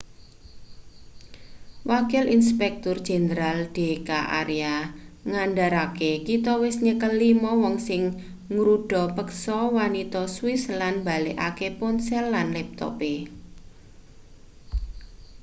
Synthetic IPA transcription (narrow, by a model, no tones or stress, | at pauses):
wakɪlinspɛk̚t̪ʊrd̥ʒ̥e̤nəɾald̥e̤kaʔa̰ɾeaŋandaɾakekit̪ɔwɪsɲəkəlːimɔwɔŋsɪŋ | ŋɾuɖ̥ɔ̤pəksɔwanit̪ɔswɪslanba̤leʔakepɔnsɛlːanlɛp̚t̪ɔ̰pe